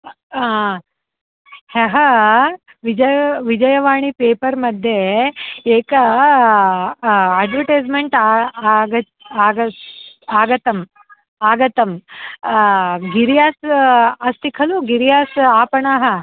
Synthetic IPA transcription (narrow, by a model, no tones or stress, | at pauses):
heɦɐ | ʋid͡ʒɐjʋid͡ʒɐjɐʋaːɳipeːpɐɾmɐd̪ʱje | eːkɐ | aːɖʋɐʈeːd͡ʒmeɳʈaɡɐ | aːɡɐaːɡɐt̪ɐm | aːɡɐt̪ɐm | ɡiɾjaːsɐst̪ikʰɐluɡiɾjaːsaːpɐɳaːɦɐ